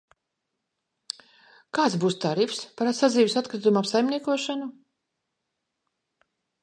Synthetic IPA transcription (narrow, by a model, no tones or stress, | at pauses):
kaːt̪sbuːst̪aɾifspaɾasad̪ziːvisat̪kɾit̪umapsajmniɛkuɔʃanu